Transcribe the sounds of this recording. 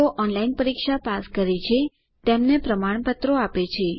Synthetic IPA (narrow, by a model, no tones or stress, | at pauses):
oʔɔnlainpəɾikʃapaskəɾet͡ʃʰe | t̪emnepɾəmaɳ̃pət̪ɾoapet͡ʃʰe